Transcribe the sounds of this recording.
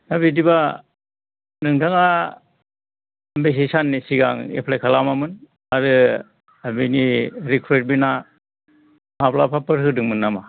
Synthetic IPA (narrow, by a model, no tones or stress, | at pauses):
nabidiba | nɯŋtʰaŋa | mbes̬esanːisiɡa̰ŋḛpʰlajkʰalamamɯn | aɾɯ | abiniɾikʰɾet̚bina | maplapʰapɯɾɦɯdɯŋmɯnːama